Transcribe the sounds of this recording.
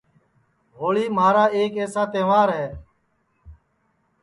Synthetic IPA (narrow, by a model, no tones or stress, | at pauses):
ɦoːɭiːmaːɾaːeːkeːsaːt̪ẽːʋaːɾɦɛː